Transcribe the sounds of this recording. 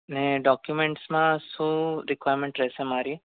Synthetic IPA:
nẽɖɔːkjumeɳʈsmãsuɾikwaːjɾmẽɳʈɾeːsẽmaːɾi

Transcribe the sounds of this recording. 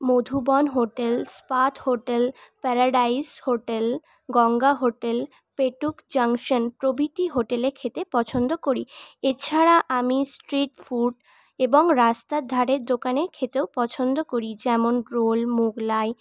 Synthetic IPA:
mod̪ʱubɔnɦoʈelspat̪ʰhoʈelpɛɾaɖaishoʈel | ɡɔŋɡaɦoʈel | peʈukd͡ʑaŋʃonpɾobʱit̪iɦoʈeleɾkʰet̪epɔt͡ɕʰond̪okoɾiet͡ɕʰaɾaʔamisʈɾiʈfuɖ | eboŋɾast̪ad̪ʱːaɾeɾd̪okaneɾkʰet̪eopɔt͡ɕʰond̪okoɾid͡ʑɛmonɾolmuɡlae

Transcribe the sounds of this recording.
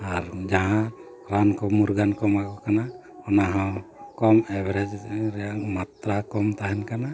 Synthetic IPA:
aɾd͡ʒaɦã | ɾankɔmuɾɡankɔmaɡɔkana | ɔnaɦawkɔmɛbɛɾɛd͡ʒɾɛjaʔmat̪ɾakɔmt̪aɦɛnkana

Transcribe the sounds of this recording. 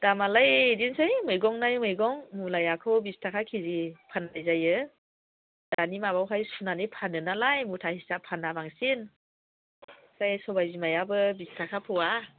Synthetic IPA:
d̥amalajdinsɯjmɯjɡɔŋnajmɯjɡɔŋmulajakʰɯwbistʰakʰakʰizipʰanajzajɯ | d̥animabawɦajsunanijpʰanɯnalajmutʰahisapʰanːabaŋsin | kajsɔbajzimajabɯbistʰakʰapʰɯwa

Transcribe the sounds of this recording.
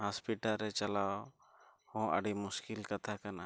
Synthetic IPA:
haspiʈalɾɛt͡ʃalaw | hɔ̃ʔə̰ɖimuskilkat̪ʰakana

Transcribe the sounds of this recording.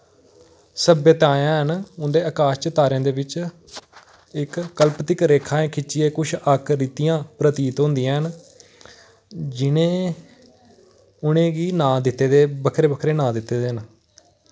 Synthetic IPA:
səbjət̪ãːjãːɦənʊnd̪eːəkaːst͡ʃət̪aːɾãːd̪eːʋɪt͡ʃ | ɪkːəlpt̪ɪkɾeːkʰaːẽːkʰɪt͡ʃʃieːkʊt͡ʃʰəkɾɪt̪ːijãːpɾət̪iːt̪ɦʊ̃nd̪ɪjãːɦən | d͡ʒɪnẽː | ʊnẽːɡiːnãːd̪ɪt̪ːeːd̪eːbəkʰɾeːbəkʰɾeːnãːd̪ɪt̪ːeːd̪eːən

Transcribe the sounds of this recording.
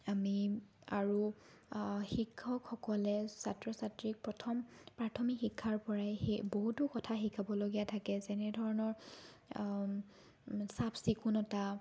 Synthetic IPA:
amiaɹu | xikʰːɔkxɔkɔlɛsatɹɔsatɹik̚pɹɔtʰɔmpɹatʰɔmikxikʰːaɹpɔɹajeboɦutʊkɔtʰaxikʰabɔloɡijatʰakɛzɛnɛdʱɔɹɔnɔɹ | sapsikunɔta

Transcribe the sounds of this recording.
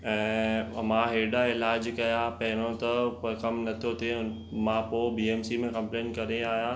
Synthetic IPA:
ɛ̃ːmãɦeːɗaɪlaːd͡ʑkɐjapɐɦɪɾ̃õt̪ɐpɐkɐmnɐt̪ʰijot̪ʰe | mãːpoːbiːeːmsimẽkɐ̃mpleːnkɐɾeaːɦijãː

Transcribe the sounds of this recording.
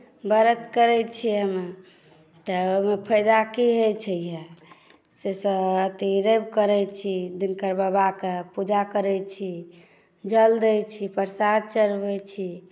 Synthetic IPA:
bəɾət̪kəɾɛt͡ʃʰiɦəme | t̪əomepʰəjd̪akiɦojt͡ʃʰəje | sesəət̪iɾəbkəɾɛjt͡ʃʰid̪inkəɾbabakepud͡ʒakəɾɛt͡ʃʰi | d͡ʒəld̪əjt͡ʃʰipəɾsad̪̚t͡ʃəɾbɛt͡ʃʰi

